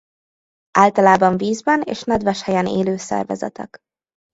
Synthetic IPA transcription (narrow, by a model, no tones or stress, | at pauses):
aːlt̪ɒlaːbɒɱviːzbɛnḛːʃnɛd̪vɛʃhɛjɛneːløːsɛ̰rvɛ̰zɛ̰t̪ɛ̰k